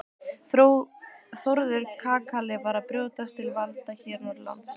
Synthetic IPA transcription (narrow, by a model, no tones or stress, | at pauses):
θɾuwθoɾðʏɾ̥kʰaːkʰalɪvaɾapɾjoːwt̪ast̪ʰɪlvalt̪açɛːɾnɔɾla̰nt̪s